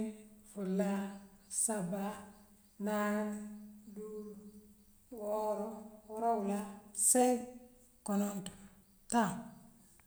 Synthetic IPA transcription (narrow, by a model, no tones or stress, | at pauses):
fulːasaba | nandu | woɾowuɾawulasei | konontu̥ | ta